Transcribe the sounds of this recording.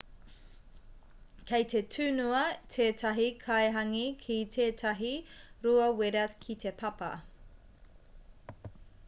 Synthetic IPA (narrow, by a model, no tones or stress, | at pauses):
kʰejtetʰʉːnuɐtʰeːtʰɐɦikʰɐeɦɐŋikʰitʰeːtʰɐɦiɾuɐweɾɐkʰitepʰɐpɐ̰